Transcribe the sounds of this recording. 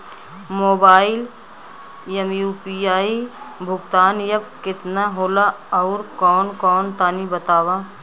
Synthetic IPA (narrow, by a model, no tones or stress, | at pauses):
moːbaːɪl | jɐmjuːpiaːi | bʱʊɡt̪aːnjɐb̚kɪt̪naɦoːlaɔʊɾkɔːnkɔːnt̪aːnibət̪aːwaː